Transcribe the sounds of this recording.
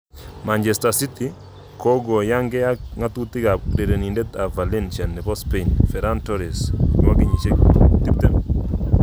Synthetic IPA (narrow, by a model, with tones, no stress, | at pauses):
ma˨nd͡ʒe˨sta˨si˦ti˦ | ko˦ɡo˨ja˦ŋɡɛ˦a˦kŋa˦tu˦ti˦ɡa˨de˨ɾe˨ni˨ndɛ˦t̪a˨va˨li˦nt͡ʃɛ˨nːɛ˨pɔ˦spe˦nfɛ˨ɾa˦ntɔ˦ɾi˨sḭ˨wa˦ki˨ɲi˨t͡ʃe˦k̚ti˦p̚t̪ɛ˨m